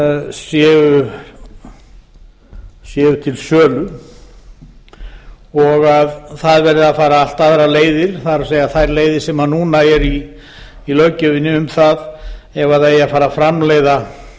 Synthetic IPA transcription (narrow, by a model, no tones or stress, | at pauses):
sjɛːʏ | sjɛːvʏt̪ʰɪlsœːlʏ | ɔɣaðθaðvɛɾðɪðafaːɾaal̥t̪aðɾaleːjðɪɾ̥θaðɾaseːjaθajɾleːjðɪɾ̥sɛmanuːnaɛɾiː | lœɥcʏvɪnːɪʏmθaðɛvaðaɛjafaːɾafɾamleːjða